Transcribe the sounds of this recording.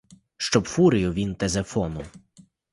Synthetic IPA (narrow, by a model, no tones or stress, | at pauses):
ʃt͡ʃɔbfuɾʲijʊʋʲint̪ezefɔnʊw